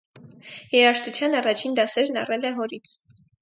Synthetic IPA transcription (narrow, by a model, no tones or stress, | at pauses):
jɛɾɑʃt̪ut͡sʰjɑnɑrɑt͡ʃʰind̪ɑsɛɾnɑrɛlɛɦɔɾit͡sʰ